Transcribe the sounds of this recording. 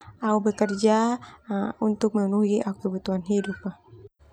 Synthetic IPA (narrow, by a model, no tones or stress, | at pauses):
aubɛkərd͡ʒa | unt̪uk̚məunuɡiʔaukəbut̪uɦanɦidupːah